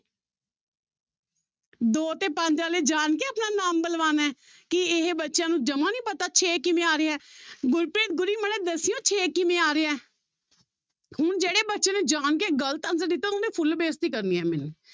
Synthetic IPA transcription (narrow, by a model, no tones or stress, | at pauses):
d̪oːt̪eːpəɲd͡ʒãːleːd͡ʒaːnkeːəpnaːnaːmbəlʋaːnɛː | kɪɪɦbətːʃjãːnũːd͡ʒəmãːnĩːpət̪aːt͡ʃʰeːkɪmẽːaːɾeːɛːɡʊɾpɾeːt̪̚ɡʊɾiːməneːd̪əsijõːt͡ʃʰeːkɪmẽːaːɾeːɛː | hʊɳd͡ʒeːɽeːbətːʃẽːneːd͡ʒaːnk̬eːɡələt̪ənzəɾd̪ɪt̪ːãʊnd̪eːpʰʊlbeːst̪iːkəɾniːɛːmɪn